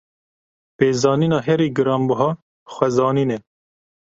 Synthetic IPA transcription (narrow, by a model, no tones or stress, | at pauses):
peːzɑːniːnɑːɦɛɾiːɡɨɾɑːmbʊɦɑː | xʷɛzɑːniːnɛ